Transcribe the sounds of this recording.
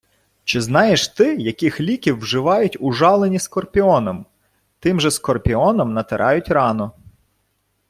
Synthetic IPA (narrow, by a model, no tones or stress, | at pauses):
t͡ʃɪznɑjeʃt̪ɪjɐkɪxlʲikʲiwːʒɪʋɑjʊtʲʊʒɑlˠenʲiskɔrpʲiɔnɔm | t̪ɪmʒɛskɔrpʲiɔnɔmnɐt̪ɪɾʔɑjʊtʲrɑnɔ